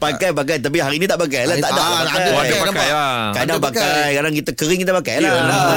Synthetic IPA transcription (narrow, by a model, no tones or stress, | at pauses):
pakajpak̬ajt̪ap̬iɦaɾinĩt̪aʔpakajlaaʔdakaajaaajkadapakajkadaŋkit̪əkəɾɪŋkit̪əpaka̰jlo